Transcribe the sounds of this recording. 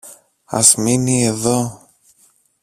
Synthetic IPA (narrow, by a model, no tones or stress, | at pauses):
ɐ̰zminieðo